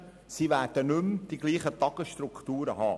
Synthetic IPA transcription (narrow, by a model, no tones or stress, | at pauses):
sivæːɾd̥ənʏmd̥iɡliːχət̪ɑɡ̥əsʃt̪ɾukχt̪uːɾəɦɑ̰ː